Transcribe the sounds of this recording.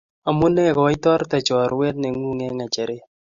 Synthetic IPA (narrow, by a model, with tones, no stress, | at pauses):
a˨mu˦nɛ˦˨kɔ˨˦i˦t̪ɔ˦ɾt̪a˨t͡ʃɔ˨ɾwe˦t̪nɛ˨ŋu˦ŋɛ˦ŋa˨t͡ʃɛ˨ɾe˦